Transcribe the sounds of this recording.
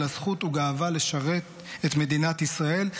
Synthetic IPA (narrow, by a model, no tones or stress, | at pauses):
lasχutuɡaːvale̞ʃaʁet̪ | et̪me̞dinat̪isʁae̞l